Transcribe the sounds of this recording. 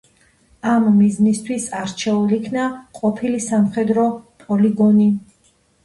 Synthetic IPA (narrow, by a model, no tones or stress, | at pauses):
amːiznist̪ʰwisaɾt͡ʃʰɛuliːkʰnaqʼɔpʰilisamχɛd̪ɾɔpʼɔliɡɔni